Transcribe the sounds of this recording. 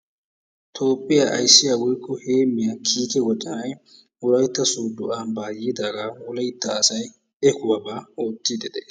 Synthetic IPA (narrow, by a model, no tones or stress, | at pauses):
t̪ʰoːpʼːɪjaʔɐ̰jsːɪjawɔjkːɔheːmːɪjakʰiːkɛɡɔt͡ʃʼːɪnɐj | wʊlɐjt̪ːɐsuːd̪ʊambaːjiːd̪aːɡawɔlɐjt̪ːɐːsɐj | ɛkʊwɐbaoːt̪ːid̪ɛd̪ɛ